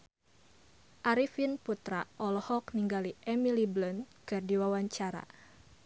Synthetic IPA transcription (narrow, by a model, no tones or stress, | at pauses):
ʔaɾifinput̪ɾaʔɔlɔhɔkniŋɡaliʔɛmiliblɔnkɨrdiwawaɲt͡ʃaɾa̰